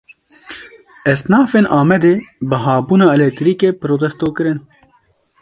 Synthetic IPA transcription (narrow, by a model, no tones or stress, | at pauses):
ɛsnɑːfeːnʔaːmɛd̪eːbɨɦaːbuːnɑːɛlɛk̚t̪ɾiːkeːpɨɾoːt̪ɛst̪oːkɨɾɨn